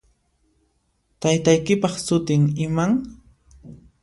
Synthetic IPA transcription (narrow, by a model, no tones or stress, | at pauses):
t̪ajt̪ajkɪpɑχsʊt̪ɪŋɪmaŋ